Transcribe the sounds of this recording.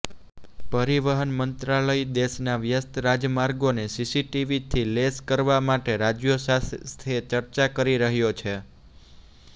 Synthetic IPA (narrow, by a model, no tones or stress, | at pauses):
pəɾiʋəɦənmənt̪ɾaləid̪eʃnaʋjəst̪ʰɾad͡ʒəmaɾɡonesisiʈiʋit̪ʰileskəɾʋamaʈeɾad͡ʒjosast̪ʰet͡ʃəɾt͡ʃakəɾiɾəɦjot͡ʃʰe